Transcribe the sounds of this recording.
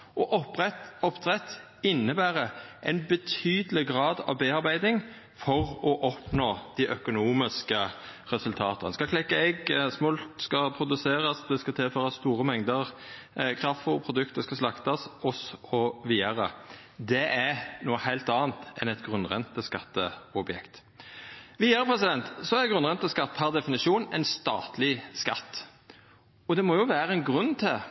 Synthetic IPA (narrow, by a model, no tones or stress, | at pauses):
ʔɔʔɔpʁɛt̪ɔpt̪ʰʁɛt̪ | ɪnːəbæːɾəʔɛɪnbət̪ʰyːd̪əlɪɡɾɑːd̪ɑ̰ʋbeːɑɾbæɪd̪ɪŋ | fɔʁɔʔɔpnoːd̪̥ɪʔœkʊnuːmɪskəʁɛsʉlt̪ʰɑːt̪ənskɑkʰlɛkːɑɛɡsmɔlt̪skɑpʰɾʊd̪ʉseːɾɑsd̪ɛskɑt̪ʰɪlføːɾɑst̪uːɾəmɛŋd̪əʁ | kʰɾɑffɔʁpʰʁʊd̪ʉkt̪əskɑslɑkt̪ɑsɔsɔʋiːəɾə | d̪ɛʔænuːəhæɪlt̪ɑːnt̪ɛnɛt̪ɡʁʉnʁɛ̰nt̪ːəskɑt̪ːəɔbjɛ̰kt̪ | ʋiːəɾəpʰɾɛsɪd̪ɛnt̪sɔæɾɡʁʉnʁɛnt̪ːəskɑt̪ːhæʁd̪ɛfɪnɪʂuːnɛ̰ɪnst̪ɑ̰ːt̪lɪskɑt̪ː | ɔd̪ɛmɔjʊʋæːɾəɛnɡʁʉnːt̪ʰɪl